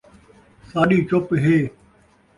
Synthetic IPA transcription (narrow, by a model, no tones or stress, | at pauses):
saːɗiːt͡ʃopɦeː